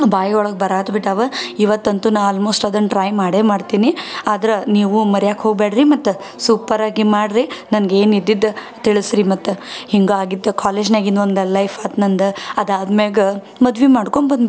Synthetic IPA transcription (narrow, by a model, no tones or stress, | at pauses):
baːjɐɔɭɐɡbɐɾaːt̪biʈaːʋɐiʋɐt̪ːɐnt̪unaɐlmoːsʈɐd̪ɐnʈɾaːjmaːɽeːmaːɖt̪iːniaːd̪ɐɾɐniːʋumɐɾjaːkɦoːɡ̚beːɽɾimɐt̪ːe | suːpɐɾaːɡimaːɽɾinɐnɡeːnid̪ːid̪ː | t̪iɭsɾimɐt̪ːuhiŋɡuaːɡid̪ːɐkaːleːd͡ʒnaːɡind̪ond̪ɐlɐjfaːt̪nɐnd̪ɐɐd̪aːd̪meːɡe | mɐd̪ʋimaːɽkoɳbɐnd̪b